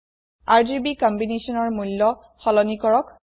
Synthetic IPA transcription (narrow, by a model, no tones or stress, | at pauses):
aɹd͡ʒibikɔmbinesɔnɔɹmulːɔ | xɔlɔnikɔɹɔk